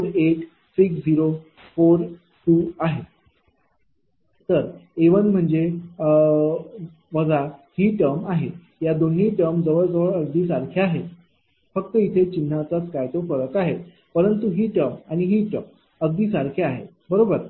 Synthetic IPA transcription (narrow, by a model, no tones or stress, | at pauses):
ɾeʈ | sikd͡ziɾo | foɾ | ʈuːaɦe | t̪əɾeʋənm̤əɳd͡ze | ʋəɡahiːʈəɾmaɦe | jad̪oɳ̤iːʈəɾmd͡zəʋəɭd͡zəʋəɭəɡ̚d̪iːsaɾkʰaaɦe | fəkt̪əit̪ʰet͡ɕin̤ːat͡sat͡skajt̪ofəɾəkaɦe | pəɾənt̪uɦiːʈəɾmaɽ̃iɦiːʈəm | əɡ̚d̪iːsaɾkʰeaɦe | bəɾobəɾ